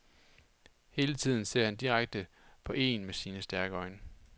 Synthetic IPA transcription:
he̝ːlət͡sʰið̰ˠn̩se̝ɐ̰hænd̥iʁaɡ̥̚d̥ə | pʰɒ̽ʔe̝̰ːnmesiːnəsd̥æɐɡ̥əɒ̽ɪnə

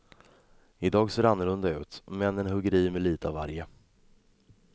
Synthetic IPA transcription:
ɪd̪ɑːɡseːɾanːʊlɵnd̪aʉ̟ːt̪mɛnːənɦɵɡəɾiːmɛliːt̪əavaɾjə

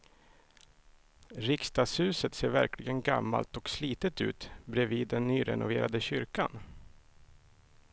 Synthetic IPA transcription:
ɾɪkst̪ɑːshʉ̟ːsət̪seːɾvæɾklɪɡənɡamːa̰lt̪ɔksliːt̪ət̪ʉ̟ːt̪bɾɛviːd̪ːɛnːyːɾɛ̰nʊveːɾad̪əɕʏɾkan

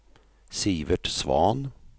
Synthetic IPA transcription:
siːʋəʈsvɑ̰ːn

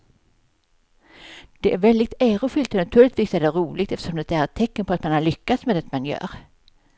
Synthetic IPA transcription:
d̪̥ɛʔæɾvɛld̪ɪɡ̚t̪æːɾʊfʏlt̪ɔnat̪ʰʉ̟ːlɪt̪viːsæɖɛɾuːlɪɡ̚t̪ɛft̪ʂɔmd̪ɛt̪əæɾɛt̪ʰːɛkːənpʰɔat̪manhaɾɭʏkːat̪smeːd̪ɛt̪manjœ̰ːɾ

